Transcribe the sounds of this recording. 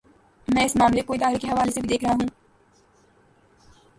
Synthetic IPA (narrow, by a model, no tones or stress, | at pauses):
mɛ̃ːɪsmaːmlekoːid̪aːɦɪɾikeɦɐʋaːlesebid̪eːkʰɾəɦaːɦũː